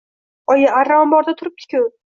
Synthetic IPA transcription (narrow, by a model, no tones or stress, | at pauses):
ɒjaaɾːaɒmbɒɾd̪at̪ʰʊɾɪp̚t̪ʲʰɪ̥kʲʊ